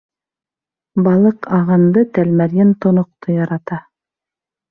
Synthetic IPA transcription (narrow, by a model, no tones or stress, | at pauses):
bɑlˠɤqɑʁɑnd̪ɤt̪ælmæɾjænt̪ŏnŏq̚t̪ojɑɾɑt̪ɑ